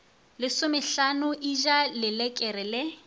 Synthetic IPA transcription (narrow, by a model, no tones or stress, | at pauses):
lɪsʊmɪɬanʊʔiʒalɪlɛkʼɛrɪlɪ